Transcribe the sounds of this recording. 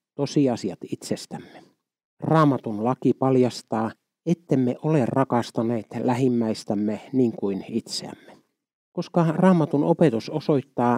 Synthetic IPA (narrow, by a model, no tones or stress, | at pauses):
t̪osiɑsiɑt̪it̪sest̪æmːe̥ | rɑːmɑt̪unlɑkipɑljɑst̪ɑː | et̪ːemːeʔolerrʔɑkɑst̪ɑneːt̪læɦimːæist̪æmːeniːŋkuinit̪seæ̰mːe̥ | koskɑrɑːmɑt̪unopet̪usosoit̪ːɑː